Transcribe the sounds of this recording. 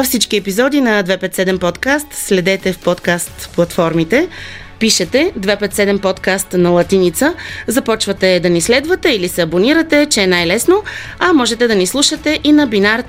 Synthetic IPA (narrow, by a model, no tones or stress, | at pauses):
ɐfsit͡ʃkiɛpizɔd̪inɐd̪vɛpɛt̪sɛd̪ɛmpɔt̪kast̪slɛd̪ɛt̪ɛfpɔt̪kast̪plˠɐt̪fɔɾmit̪ɛ | piʃɛt̪ɛd̪vɛpɛt̪sɛd̪ɛmpɔt̪kast̪nɐlˠɐt̪init̪səzɐpɔt͡ʃvət̪ɛd̪ɐnislɛd̪vət̪ɛilisɛɐboniɾət̪ɛt͡ʃɛɛnajlɛsnoɐmɔʒɛt̪ɛd̪ɐnislˠuʃət̪ɛʔinɐbinaɾ